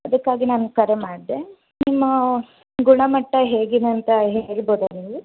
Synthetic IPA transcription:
ɐd̪ɐkːaːɡinaːnkɐɾemaːɽid̪e | nimːɐ | ɡuɳɐmɐʈːɐɦe̞ːɡid̪eɐnt̪ɐɦeːɭboːd̪ɐniːʋu

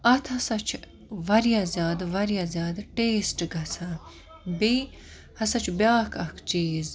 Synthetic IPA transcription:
ɐt̪ʰɐsɐt͡ʃʰ | ʋɐɾjazʲjaːd̪ʋɐɾjaːzjaːd̪ʈeːsʈɡɐt͡sʰɐ | bi | hɐsɐt͡ʃʰbʲjaːkʰɐkʰt͡ʃiːz

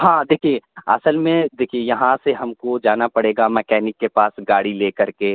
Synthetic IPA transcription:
ɦãːd̪eːkʰieɐ̰səlmẽd̪eːkʰiejɐɦãseɦɐmkod͡ʒaːnapɐɽeːɡamɛːkɛːnɪkːepaːsɡaːɽileːkɐɾke

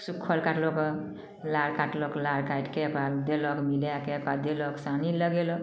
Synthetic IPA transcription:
sukʰːɔlkaʈlɔkɔ | laɽkaʈlɔklaɾkajʈkebald̪elɔkmiljakepad̪elɔksaniləɡelɔk

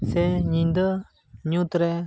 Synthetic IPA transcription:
seɲĩnd̪ə | ɲut̪ɾɛ

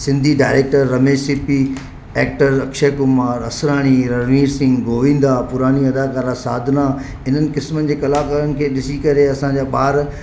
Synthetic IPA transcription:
sɪ̃nd̪ʱiɖaːɪɾeːk̚ʈəɾːɐmeːsipi | eːkʈəɾɐkʃekʊmaːɾɐsɾaːɽ̃iɾɐɾmiːɾsɪ̃ŋɡɡʱoːʋĩːn̆d̪apʊɾaːniɐd̪aːkaːɾasaːd̪ʱna | ɪn̤ənɪ̆kɪsmənɪ̆d͡ʑeːkɐlaːkaːɾənɪ̆kʰeːɗɪsikɐɾeɐsãːɲd͡ʑaːɓaːɾ

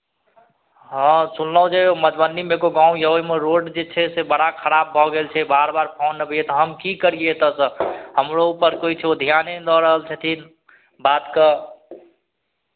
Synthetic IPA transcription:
ɦə̃sunləɦũd͡ʒeoməd͡ʒ̪bəndimeɡoɡãũjəemeɾoɖd͡ʒet͡ʃʰɛsebəɽakʰəɾab̚ːʱɔɡelt͡ʃʰɛbaɾbaɾpʰonːəbejet̪ɔɦəmkikəɾiet̪ɔsə̃həmɾoupəɾkoit͡ʃʰɛod̪ʱijaned̪ɔɾəɦəlt͡ʃʰət̪ʰin | bat̪kə

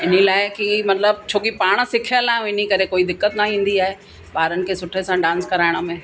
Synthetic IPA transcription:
ɪn̤ilaːɪkimɐt̪ləbt͡ɕʰoːkipaːɽ̃sɪkʰjəlaːɪ̃ʋɪnikɐɾekoːid̪ɪkːət̪naɦĩːn̆d̪iaːɦe | baːɾənɪ̆kʰeːsʊʈʰesãɖãːnskɐɾaːɪɽ̃əmẽː

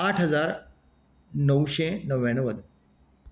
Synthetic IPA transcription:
aʈʰɦəd͡zaɾ | nəwɕenəʋeɳ̃ʋəd̪

